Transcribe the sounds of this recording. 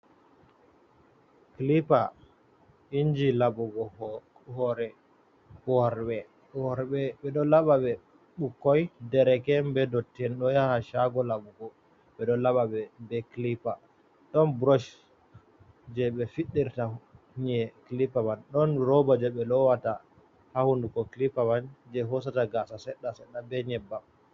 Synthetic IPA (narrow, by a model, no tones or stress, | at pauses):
klipa | ind͡ʒilabɔɡɔ | hɔɾɛ | hɔɾɓɛ | ɔɾɓɛɓɛɗɔlaɓaɓɛ | ɓukːɔjdɛɾɛkɛmbɛdɔtːɛnɗɔjahaʃaɡɔlabuɡɔ | ɓɛɗɔlaɓaɓɛbɛklipa | ɗɔnbɾɔʃ | d͡ʒɛɓɛfiɗːiɾta | ɲɛklipamanɗɔnɾɔbad͡ʒɛɓɛlɔwata | hahundukɔklipamand͡ʒɛɦɔs̬ataɡasasɛɗːasɛɗːabɛɲɛbːam